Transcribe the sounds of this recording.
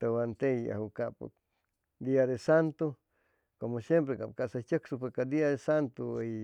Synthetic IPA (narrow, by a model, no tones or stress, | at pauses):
t̪ewant̪eja̰hukap | d̪iad̪esant̪u | komosjempɾekap̚kaʔsat͡ʃəksupekad̪iad̪esant̪u